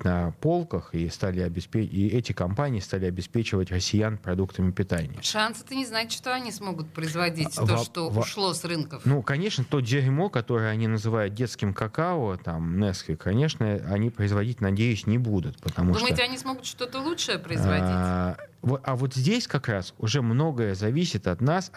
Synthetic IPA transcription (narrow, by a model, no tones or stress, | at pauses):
nɐpo̞lˠkəxist̪alʲɪɐbʲɪspʲeiɛtʲɪkɐmpanʲɪːst̪alʲɪɐbʲɪspʲet͡ɕɪvətʲrəsʲːɪjanpɾɐd̪ukt̪əmʲɪpʲɪt̪anʲɪ̰jəʂansət̪ənʲɪznaɪtʲʂt̪oɐnʲismo̞ɡʊt̪̚pɾəɪzvɐdʲit̪ʲoʂt̪ovʂlˠosrɨnkəfnukɐnʲe̞ʂnət̪o̞zʲɪɾʲmo̞kɐt̪o̞ɾəjəɐnʲinəzɨvajʊt̪̚dʲe̞t̪skʲɪmkɐkaot̪amnɛskʲɪkʰɐnʲe̞ʂnəɐ̰nʲipɾəɪzvɐdʲitʲnɐdʲejʊsʲnʲɪbud̪ʊt̪pət̪ɐmud̪ʂuməjɪt̪ətʲɪɐnʲismo̞ɡʊt̪ʂt̪o̞t̪əlˠutʂəjəpɾəɪzvɐivoɐvo̞t̪zʲdʲesʲkɐkɾasʊʐɛmno̞ɡəjəzɐvʲisʲɪt̪ɐt̪nas